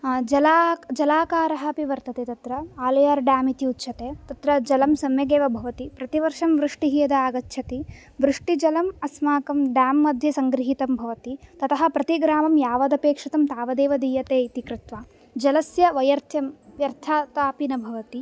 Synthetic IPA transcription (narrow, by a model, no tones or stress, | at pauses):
d͡ʒɐlad͡ʒɐlaːkaːɾɐɦɐ̆piʋɐɾt̪ɐt̪eːt̪ɐt̪ɾɐaːlɐjaːɾɖaːmit̪iutːʃʰɐt̪eːt̪ɐt̪ɾɐd͡ʒɐlɐmsɐmjɐɡeːʋɐbʱɐʋɐt̪ipɾɐt̪iʋɐɾʂɐmʋɾuʂʈiɦijɐd̪ɐaːɡɐtːʃʰɐt̪i | ʋɾuʂʈid͡ʒɐlɐmɐsmaːkɐmɖjaːmːɐd̪ʱjɐsɐŋɡɾiɦit̪ɐmbʱɐʋɐt̪it̪ɐt̪ɐɦɐ̆pɾɐt̪iɡɾaːmɐmjaːʋɐd̪ɐpeːkʂɐt̪ɐmt̪aːʋɐd̪eːʋɐd̪iːjɐt̪eːit̪ikɾɪt̪ʋaː | d͡ʒɐlɐsjɐʋɐjɐɾt̪ʰjɐmʋjɐɾt̪ʰaːt̪aːpinɐbʱɐʋɐt̪i